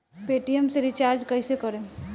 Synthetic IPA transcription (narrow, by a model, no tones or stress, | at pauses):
peːʈiemseɾit͡ʃaːɾd͡ʒkəɪsekəɾẽ